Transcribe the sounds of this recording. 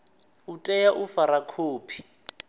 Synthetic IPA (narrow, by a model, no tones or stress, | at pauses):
utʼɛjaʔufaɾakʰoːpʰi̥